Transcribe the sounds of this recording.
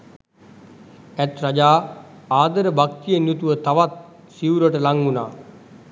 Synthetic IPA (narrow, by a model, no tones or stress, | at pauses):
æt̪ɾad͡ʒaː | aːd̪əɾəbak̚t̪ijənjut̪uʋət̪aʋat̪̚ | siuɾəʈəlaŋɡunaː